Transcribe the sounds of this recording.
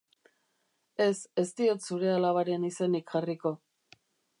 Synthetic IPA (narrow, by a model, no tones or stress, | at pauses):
e̞se̞st̪io̞t̪suɾe̞alaβaɾe̞nisenikʝariko̞